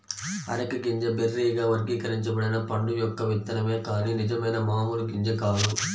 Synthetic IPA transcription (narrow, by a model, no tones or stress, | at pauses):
ɐ̰ɾɐkːɯɡiɲd͡ʒɐberːiːɡaːʋɐɾɡikɐɾɐɲt͡ʃɐbɐɽɐnɐpɐɳɖujɔkːɐʋɪt̪ːɐnɐmeːkaːlinɪd͡ʒɐmɐjnɐmaːmuːlɡiɲd͡ʒɐkaːlu